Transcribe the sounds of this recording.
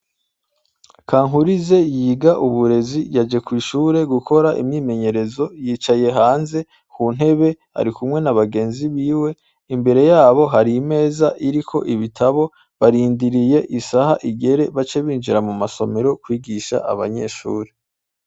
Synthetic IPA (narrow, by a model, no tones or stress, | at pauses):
kaːŋhuɾize̞jiːɡaʔuβuɾe̞zijad͡ʒe̞kwiːʃuːɾe̞ɡukʰo̞ɾaʔḭmɲiːme̞ɲe̞ɾe̞zo̞jiːt͡ʃaje̞ɦaːnze̞ | kuːn̥he̞βe̞ha̰ɾikumŋe̞naβaɡe̞ːnziβiːwe̞ | imbe̞ɾe̞jaːβo̞ɦaɾime̞ːzaʔiɾikʰo̞̰ʔiβitʰaβo̞ | βaɾiːndiɾije̞ʔisahaʔiɡe̞ɾe̞βat͡ʃe̞βiːnʒiɾamumaso̞me̞ɾo̞kwiːɡiʃa̰ʔa̰βa̰ɲe̞̰ʃṵːɾe̞